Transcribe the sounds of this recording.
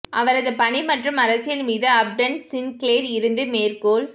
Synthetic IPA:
ʔɐʋɐɾɐðɯpɐɳimɐʈrɯmɐɾɐsɪjɪlmiːðɯɐb̚ɖɐɳsɪnkleːɾɪɾɯnd̪ɯmeːrkoːl

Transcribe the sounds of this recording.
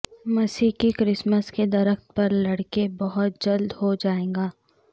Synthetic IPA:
mɐsiːkikɾɪsməsked̪ɐɾəxt̪pɐɾlɐɽkebɐɦʊt̪̚d͡ʒɐld̪ɦod͡ʒaːẽːɡaː

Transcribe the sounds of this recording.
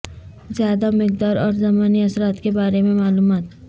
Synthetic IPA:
zjaːd̪amɪk̚d̪aːɾɔːɾzɐmaːniɐsɾaːt̪kebaːɾemẽmaːluːmaːt̪

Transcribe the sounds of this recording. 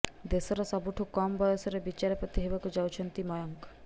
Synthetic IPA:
d̪esɔɾɔsɔbuʈʰukɔmbɔjosɔɾebit͡ʃaɾepɾot̪iɦebakud͡ʒawt͡ʃʰɔnt̪imɔjɔŋk

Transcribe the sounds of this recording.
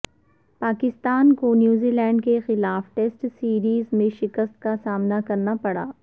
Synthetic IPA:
paːkɪst̪aːnkonjuːziːlɛ̃ːɳɖkexɪlaːfʈeːsʈsiːɾiːzmẽʃɪkəst̪̚kasaːmnakɐɾnapɐɽa̰ː

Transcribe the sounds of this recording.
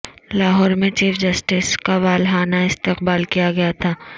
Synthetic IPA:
laːɦɔːɾmẽt͡ʃiːfʰd͡ʒɐsʈɪskaʋaːlɦaːnaɪst̪ɪqbaːlkijaɡɐjat̪ʰaː

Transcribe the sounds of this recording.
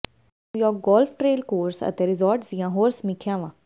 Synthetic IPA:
ujɔːk̚ɡɔːlpʰʈɾeːlkoːɾsə̰t̪eːɾɪzɔːɾʈd̪ijãːɦoːɾsmɪkʰjãːʋãː

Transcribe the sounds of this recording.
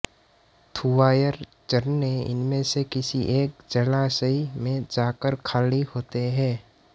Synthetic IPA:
t̪ʰuʋaːjəɾ | t͡ʃəɾnneɪ̰nmẽsekɪsiʔeːk̚d͡ʒəlasəimẽd͡ʒaːkəɾkʰaːlihoːt̪eɦɛ̃ː

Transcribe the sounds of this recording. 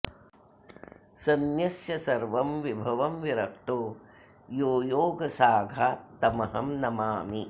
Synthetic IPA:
sɐnjɐsjɐsɐɾʋɐmʋibʱɐʋɐmʋiɾɐk̚t̪oː | joːjoːɡɐsaːɡʱaːt̪ɐmɐɦɐmnɐmaːmi

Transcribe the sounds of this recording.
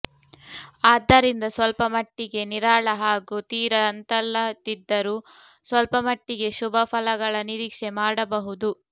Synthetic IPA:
aːd̪ːɐɾind̪ɐsʋɐlpɐmɐʈːiɡe̞niɾaːɭɐɦaːɡut̪iːɾɐnt̪ɐlːɐt̪id̪ːɐɾuːsʋɐlpɐmɐʈːiɡe̞ʃubʱɐpʰɐlɐɡɐɭɐniɾiːkʂemaːɽɐbɐɦud̪u

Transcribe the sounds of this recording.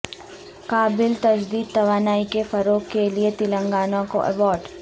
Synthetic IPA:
kaːbɪlt̪ɐd͡ʒd̪iːd̪̚t̪ɐʋaːnaːikefɐɾoːkkːeliet̪ɪlə̃ŋɡaːnõko̰ʔɛ̰ʋɔːɾɖ

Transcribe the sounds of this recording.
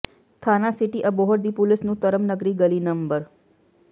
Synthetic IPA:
t̪ʰanasɪʈiʔəboɦəɾd̪ipʊlɪsnũt̪əɾəmnəɡɾiɡəlinəmbəɾ

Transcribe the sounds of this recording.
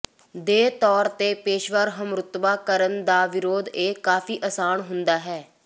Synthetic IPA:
d̪eːt̪ɔːɾt̪eːpeːʃʋəɾɦəmɾʊt̪ʋaːkəɾənd̪aːʋɪɾoːd̪eːkaːfʰiːʔəsaːnɦʊnd̪aːɦɛː

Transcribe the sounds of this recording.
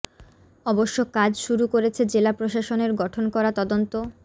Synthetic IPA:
ɔboʃːokad͡ʑʃuɾukoɾet͡ɕʰed͡ʑelapɾoʃaʃoneɾɡɔʈʰonkɔɾat̪ɔd̪ont̪o

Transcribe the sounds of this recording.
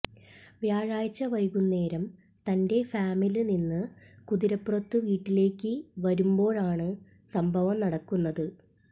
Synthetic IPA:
ʋjaːɻaːjit͡ɕːɐʋɐjɣunːe̞ːɾɐm | t̪ɐnde̞faːmiluninːɨkuðiɾɐpːurɐt̪ːɨʋiːʈːile̞ːkʲːɨʋɐɾumbo̞ːɭaːɳɨ | sɐmbʱɐʋɐmnɐɽɐkːunːɐðɨ

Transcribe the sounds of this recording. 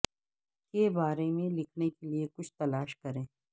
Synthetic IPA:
kebaːɾemẽlɪkʰnekeliekʊt͡ʃʰt̪ɐlaːʃkɐɾẽː

